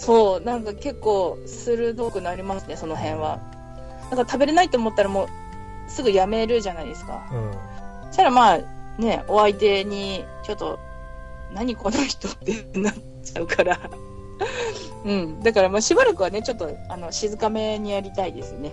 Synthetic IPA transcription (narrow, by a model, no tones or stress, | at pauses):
so̞ːnãŋkake̞kːo̞ː | sɨɾɯ̟d̪o̞kɯ̟naɾʲimasɨne̞so̞no̞ɦẽ̞ɰ̃βa̰ | nãŋkat̪abe̞ɾe̞nait̪o̞ːmo̞t̪ːaɾamo̞ː | sɨɡɯ̟jame̞ɾɯ̟ʑanaid̪e̞sɨ̥ka̰ | ɕt̪aɾamaːne̞o̞ait̪e̞ɲ̟it͡ɕo̞t̪ːo̞̰ | naɲ̟ikonaçi̥t̪o̞t̪ːe̞na | t͡ɕaɯ̟kʰaɾa | ɯ̟̃ɴd̪akaɾamaːɕibaɾakɯ̟β̞ane̞t͡ɕo̞t̪ːo̞ano̞ɕizɨkame̞ɲ̟ijaɾʲit̪aid̪e̞sɨne̞